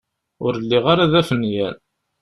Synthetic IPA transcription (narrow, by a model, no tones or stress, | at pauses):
ʊɾəlːiʁaɾaðæfənːjæn